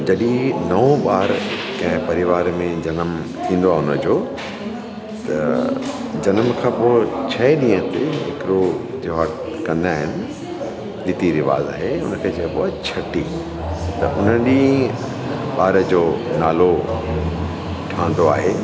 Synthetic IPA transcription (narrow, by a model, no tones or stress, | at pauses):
d͡ʑɐɗĩnɐõɓaːɾkɐ̃ɦɪ̃pɐɾɪʋaːɾmẽd͡ʑɐnəm | t̪ʰĩːn̆d̪oaɦʊnəd͡ʑoː | t̪ɐ̰ | d͡ʑɐnəmkʰãːpoːt͡ɕʰɐiɗĩːə̃t̪eɦɪkɪɾod͡ʑɐʋak | kɐ̃nd̪aːɦɪnɪ̆ | ɗɪt̪iɾɪʋa̰ːza̰ːɦeʊnə̆kʰeːt͡ɕɐpoːt͡ɕʰɐʈi | t̪ɐ̰ʔʊn̤əĩ | ɓaːɾd͡ʑoːnaːlo | ʈʰãːnd̪oa̰ːɦeː